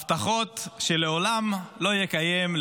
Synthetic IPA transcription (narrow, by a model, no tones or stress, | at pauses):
ft̪aχo̞t̪ʃeleolamlo̞jekajeml